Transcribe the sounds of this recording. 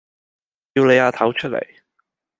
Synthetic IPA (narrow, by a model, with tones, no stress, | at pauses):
ji˧wle˨˧jaː˧t̪ʰɐ˨˥wt͡ʃʰɵ˥t̚lḛ˨˩j